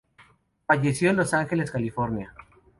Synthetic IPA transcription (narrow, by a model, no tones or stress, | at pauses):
faʝe̞sjo̞enlosaŋxe̞le̞skalifo̞ɾnja